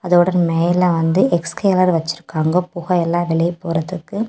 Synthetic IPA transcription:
ɐðoːɽɐnmeːlɐʋɐnd̪ɯʔɛkskeːlɐɾʋɐt͡ʃːɪɾɯkːaːŋɡɐpʊɣɐɛlːãːʋɪɭɐjpːoːɾɐðɯkːɯ

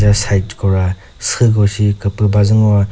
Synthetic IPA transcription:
zasajtkɔwɾa | sɯɡɔsikɯpɯbazɯŋɔwa

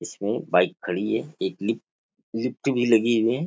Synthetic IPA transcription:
ɪsmẽbaːɪkʰːɐɽiɦɛeːklɪp̚ | lɪp̚ʈbʱilɐɡiwiɛː

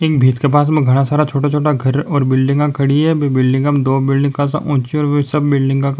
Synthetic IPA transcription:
eːk̚bʱiːt̪kep̬aːsmẽɡʱɐɽ̃asaːɾat͡ʃʰoːʈat͡ʃʰoːʈaɡʱɐɾɔːɾbɪlɖɪ̃ŋɡãkʰɐɽiɦɛbebɪlɖɪ̃ŋɡəm̃d̪oːbɪlɖɪ̃ŋɡkasa̰ʔʊ̃t͡ʃiɔːɾʋesɐbːɪlɖɪ̃ŋɡkãk

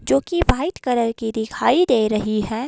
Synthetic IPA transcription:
d͡ʒoːkibaːɪʈ̪kɐɾəɾkid̪ɪkʰaːid̪eːɾɐɦiɦɛː

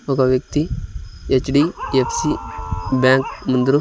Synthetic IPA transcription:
ɔkaʋjek̚t̪iet͡ʃɖiefsibãŋkmund̪ɾu

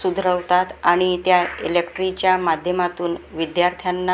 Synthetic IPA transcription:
sud̪ʱɾəʋt̪at̪aɽ̃it̪jailekʈɾit͡ɕjamad̪ʱjəmat̪uːnʋid̪jaɾt̪ʰjanːa

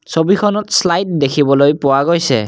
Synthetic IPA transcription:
sobikʰɔnɔtslajt̚dekʰibɔlojpʊwaɡojsɛ̰

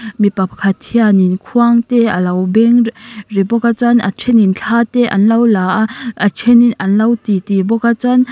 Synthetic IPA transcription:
mipap̚kʰat̪ʰianinkʰuaŋt̪ɛɐlɐwbɛŋribɔkat͡sana̰t͡ʃʰɛnint͡ɬʰaːt̪ɛʔɐ̰nlawlaʔaʔɐt͡ʃʰɛninɐnlɐwtit̪ibɔkat͡san

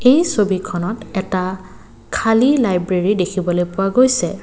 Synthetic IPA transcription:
ejsobikʰɔnɔtɛta | kʰalilajbɹeɹidekʰibɔlojpʊwaɡojsɛ

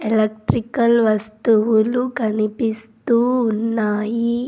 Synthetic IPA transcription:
elɐk̚ʈɾikɐlʋɐst̪uʋulukɐnipist̪uːnːaːji

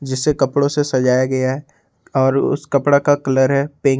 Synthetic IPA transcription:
d͡ʒɪsːekɐpɽõsesɐd͡ʒaːjaɡɐjaɦɛ | ɔːɾʊ̰skɐpɽakakɐləɾɦɛpẽː

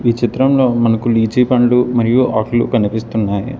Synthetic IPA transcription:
iːt͡ʃit̪ɾɐmlo̞ːmɐnɐkuliːd͡ʒiːpɐɳlumɐɾijuʔaːklukɐnipist̪unːaːjḭ

